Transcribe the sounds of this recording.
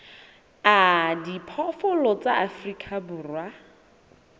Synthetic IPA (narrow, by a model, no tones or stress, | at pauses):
adipʰɔfɔlɔt͡saʔafrikʰʼabuːrwa